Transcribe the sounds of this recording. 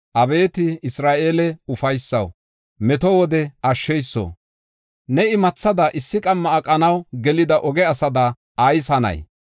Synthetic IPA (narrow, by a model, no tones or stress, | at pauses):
ʔɐbe̞ːt̪ɪɪsɾaːʔeːlɛʊfɐjsːɐ̰w | mɛt̪ɔwɔd̪ɛɐʃːɛjsːo̰ | nɛɪmɐt͡sːɐd̪ɐʔɪsːɪkʼɐmːɐːkʼːɐnɐwɡɛlɪd̪ɐʔɔɡɛɐsɐd̪ɐː | jsɐnɐ̰j